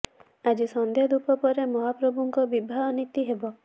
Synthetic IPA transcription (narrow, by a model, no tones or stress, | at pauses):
ad͡ʒisɔnd̪jad̪upɔpɔɾemɔɦapɾɔbuŋkɔbibʱaɦɔnit̪iɦebɔ